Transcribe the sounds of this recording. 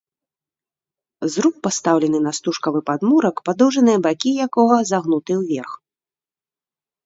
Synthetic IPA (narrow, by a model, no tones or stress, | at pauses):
zɾuk̚past̪awlʲɛnɨnɐst̪uʂkɐvɨpad̪muɾɐkpad̪ɔwʐɐnɨjɐbakʲijakɔɣɐzaɣnut̪ɨwvʲɛrx